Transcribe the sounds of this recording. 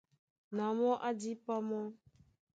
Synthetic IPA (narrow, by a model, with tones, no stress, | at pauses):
nã˨mɔ̃˦ʔa˦d͡ʒi˦pa˦mɔ̃˦